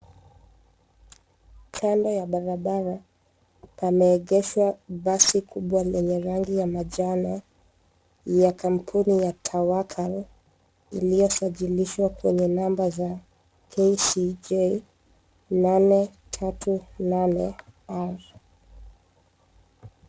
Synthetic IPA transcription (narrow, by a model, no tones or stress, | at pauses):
kʰandɔjaɓaɾaɓaɾa | pamɛːɠɛʃwaɓasikʰuɓwalɛɲɛɾaŋɡijamaʄanɔ | jakʰam̩pʰunijatʰawakʰal | ḭlijɔsaʄiliʃwakwɛɲɛnambaza | kʰesid͡ʒe | nanɛ | tʰatʰunanɛaɾ